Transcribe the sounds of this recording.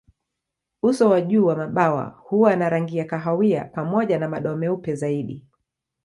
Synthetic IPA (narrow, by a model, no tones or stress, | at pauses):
usɔwaʄuːwamaɓawa̰huwanaɾaŋɡiakaɦawia̰pamɔʄanamaɗɔmɛupɛzaiɗi